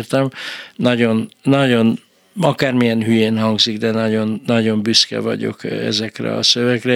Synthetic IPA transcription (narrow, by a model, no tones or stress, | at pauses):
rt̪ɛmnɒɟo̞nːɒɟo̞n | ɒkaːrmijɛnɦyjeːnɦɒŋɡziɡd̪ɛnɒɟo̞nːɒɟo̞mbyskɛ̰vɒ̰ɟo̞̰kɛ̰zɛkrɛ̰ɒ̰søvɛkrɛ